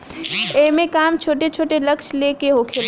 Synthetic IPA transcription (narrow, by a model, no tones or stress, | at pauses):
emẽkaːmt͡ʃʰoːʈet͡ʃʰoːʈelɐkʃleːkeɦoːkʰel